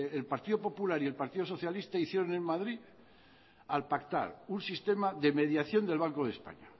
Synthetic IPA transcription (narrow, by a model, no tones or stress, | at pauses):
elpaɾt̪iðo̞po̞pulaɾielpaɾt̪iðo̞s̬o̞θjalist̪aiθje̞ɾo̞ne̞ŋmaðɾi | alpakt̪a̰ɾunsist̪e̞maðe̞me̞ðjaθjo̞nd̪elβ̞aŋkoð̞e̞spa̰ɲa